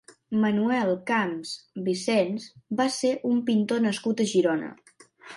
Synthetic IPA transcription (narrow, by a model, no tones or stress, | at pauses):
mənuɛlˠkamzbisɛnsbaseʔumpint̪onəskut̪əʒiɾonə̰